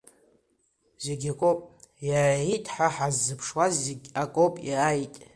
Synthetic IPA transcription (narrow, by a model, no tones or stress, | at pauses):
zeɡʲakʷʼopʼjaːjitʼħaħazːɨpʰʂwazeɡʲakʷʼopʼjajitʼ